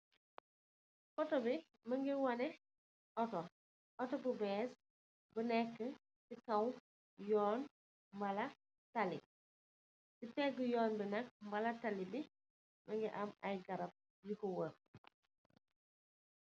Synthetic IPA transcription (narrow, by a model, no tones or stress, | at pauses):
fɔtɔbi | mɐŋɡiwɐnɛ | ɔtɔ | ʔɔtɔbubɛːs | bənɛkːə | sikɐw | jɔːn | mbɐlɐ | tɐlḭ | sitɛɡəjɔːnbinɐk̚mbɐlɐtɐlibi | mʔɐŋɡiʔɐmɐ̰jɡɐɾɐp̚ | jikɔwər